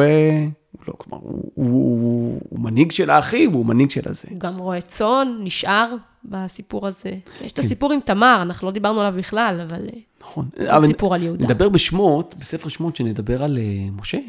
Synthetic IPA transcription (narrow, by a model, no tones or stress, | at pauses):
e | ulo̰kloma̰ʁṵu | ṵmaniɡʃelaːχivumaniɡʃelʔa̰z̥euɡamʁoet͡so̞nːiʃʔaʁ | basipuʁazejḛʃtasipuʁimt̪amaʁanaχnulod̪ibaʁnualavbiχlalavalnḁχo̞navasipuʁaljeudnead̪abe̞ʁbeʃmot̪besefeʁʃmot̪ʃened̪abe̞ʁalemoʃe